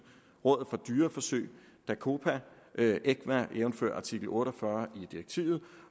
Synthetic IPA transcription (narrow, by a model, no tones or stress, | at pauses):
ʁɔ̽ð̰̩ˠfɒ̽d̥yːɐfɒ̽sø̰ɪ | d̥ækʰo̝pʰæ | ʔeɡ̥ʋæʔeːʊnfø̰ɐ̰ʔɑ̈t͡sʰiɡ̥l̩ˠɔ̽ːɾɒfɶɐid̥iʁeɡ̥̚t͡sʰḭʊð̞̩ˠ